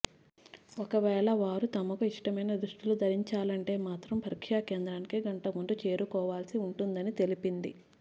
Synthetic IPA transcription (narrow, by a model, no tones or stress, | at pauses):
ɔkɐʋɛːɭɐʋaːɾut̪ɐmɐkuiʂʈɐmɐjnɐd̪ɾuʂʈilud̪ʱɐɾiɲt͡ʃaːlɐɳʈe̞ːmaːt̪ɾɐmpɐɾikʂaːkeːnd̪ɾaːnikiɡɐɳʈɐmund̪ut͡ʃe̞ːɾukɔːʋaːlsiuɳʈund̪ɐnit̪e̞lipind̪i